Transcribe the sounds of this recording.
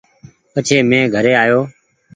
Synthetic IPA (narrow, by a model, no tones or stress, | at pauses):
pət͡ʃʰeːmẽːɡʱəɾeːaːjoː